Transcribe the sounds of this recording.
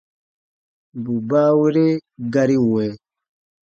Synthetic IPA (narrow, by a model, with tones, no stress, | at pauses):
bu˨ba˦wi˦ɾe˦ɡa˦ɾi˦˨wɛ˨˦